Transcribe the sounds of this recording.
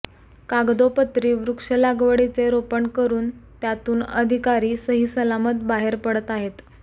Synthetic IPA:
kaɡd̪opət̪ɾiːʋɾukʂəlaɡʋəɽit͡seɾopəɳkəɾuːnt̪jat̪uːnəd̪ʱikaɾiːsəɦiːsəlamət̪̚baɦeɾpəɽət̪aɦet̪

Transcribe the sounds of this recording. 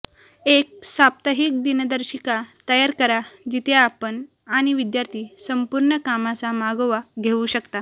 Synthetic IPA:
ek̚sap̚t̪əɦik̚d̪inəd̪əɾɕikat̪əjaɾkəɾad͡ʑit̪ʰeːpən | aɽ̃iʋid̪jaɾt̪ʰiːsəmpuɾɳəkamat͡samaɡoʋaɡʱeuɕəkt̪a

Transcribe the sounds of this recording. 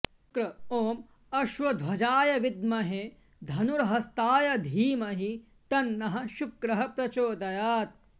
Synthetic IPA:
kɾɐoːm | ɐʃwɐd̪ʱwɐd͡ʒaːjɐʋid̪mɐɦe | d̪ʱɐnuɾɐɦɐst̪aːjɐd̪ʱiːmɐɦi | t̪ɐnːɐɦɐ̆ʃukɾɐɦɐpɾɐt͡ʃoːd̪ɐjaːt̪̚

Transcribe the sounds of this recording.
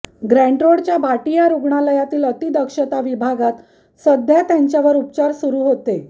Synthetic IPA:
ɡɾæ̃ɳʈɾoɽt͡ɕjabʱaʈijaɾuɡɳaləjat̪iːlət̪id̪əkʂət̪aʋibʱaɡat̪ | səd̪ʱjat̪jaɲt͡ɕjaʋəɾupt͡ɕaɾsuɾuːɦot̪e

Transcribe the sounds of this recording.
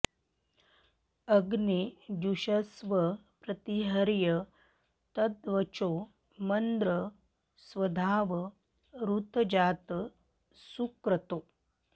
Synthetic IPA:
əɡnid̪uɕəsʋəpɾɐt̪iɦəɾjə | t̪əd̪ʋət͡ʃo | mənd̪ɾə | sʋɐd̪ʱaːʋə | ɾut̪d͡ʑaːt̪ | sukɾət̪o

